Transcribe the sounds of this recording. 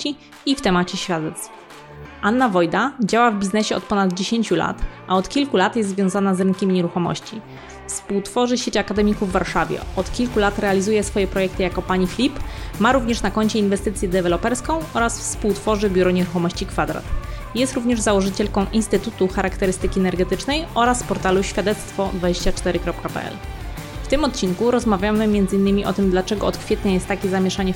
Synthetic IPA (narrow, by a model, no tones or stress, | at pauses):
i | ift̪ɛmat͡ɕɛɕfʲjad̪ɛt̪sf | ʔanːavɔjd̪ad͡ʑawavbʲiznɛɕɛɔ̰t̪̚pɔnad̪d͡ʑeɕeɲt͡ɕula̰t̪ʔaɔt̪kʲilkulat̪jɛst̪zvʲjɔ̃w̃zanazɾɘŋkʲimʲiɲɛɾuxɔmɔ̰ɕt͡ɕi | fspuwt̪fɔʐɘɕet͡ɕakad̪ɛmʲikuvːaɾʂavʲjɛ̰ɔt̪kʲilkulat̪ɾɛalʲizujɛsfɔjɛpɾɔjɛkt̪ɘjakɔpaɲifʲlʲipmaɾuvɲɛʂnakɔɲt͡ɕɛinvɛst̪ɘt̪sʲjɛd̪ɛvɛlɔpɛɾskɔ̃w̃ɔɾasfspuwt̪fɔʐɘbʲjuɾɔɲɛɾuxɔmɔɕt͡ɕikfad̪ɾa̰t̪ | jɛst̪ɾuvɲɛʐzawɔʐɘt͡ɕɛlkɔ̃w̃ʔinst̪ɘt̪ut̪uxaɾakt̪ɛɾɘst̪ɘkʲiɛnɛɾɡɛt̪ɘt͡ʂnɛjɔɾaspɔɾt̪aluɕfʲjad̪ɛt̪st̪fɔd̪vad͡ʑeɕt͡ɕat͡ʂt̪ɛɾɘkɾɔp̚kapɛ̰ʔɛ̰l | ft̪ɘmɔt̪̚t͡ɕiŋkuɾɔzmavʲjamɘmʲjɛnd̪zɘinːɘmʲiʔɔt̪ɘmd̪lat͡ʂɛɡɔɔt̪kfʲjet̪ɲajɛst̪ːakʲɛzamʲjɛʂaɲɛ